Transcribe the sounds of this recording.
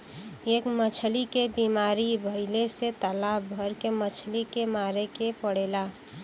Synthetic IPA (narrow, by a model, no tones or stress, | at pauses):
eːkmət͡ʃʰəlikebiːmaːɾibʱəɪleset̪əlaːbbʱəɾkemət͡ʃʰlikemaːɾekepəɽ̤eːla